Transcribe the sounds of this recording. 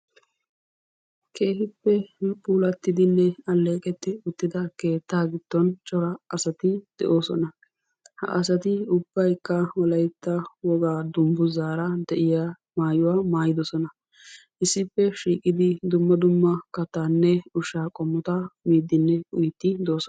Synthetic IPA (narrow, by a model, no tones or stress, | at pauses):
kʰe̞ːhɪpːɛpʼuːlɐt̪ːɪd̪ɪnːɛɐlːe̞ːkʼɛt̪ːɪʊt̪ːɪd̪ɐke̞ːt̪ːaːɡɪt̪ːɔnt͡ʃʼɔɾɐɐsɐt̪ɪd̪̥ɛ̰ʔo̞ːsɔ̰nɐ | hɐ̰ʔɐs̬ɐt̪ɪʊb̥ːɐjkːɐwɔlɐjt̪ːɐwɔɡaːd̪ʊmbʊzaːɾɐd̪ɛʔɪja | maːjʊwaːmaːjɪd̪ɔsɔnɐ | ʔɪsːɪpːɛʃiːkʼɪd̪ɪd̪ʊmːɐd̪ʊmːɐkɐt̪ːanːɛʊʃaːkʼɔmːɔt̪ɐmiːd̪ːɪnːɛʊjt̪ːɪd̪oːsɔ